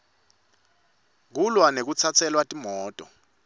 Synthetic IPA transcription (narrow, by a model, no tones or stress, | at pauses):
k̬ulwanek̬ut͡sʰat͡sʰɛlwatʼimɔːtʼɔ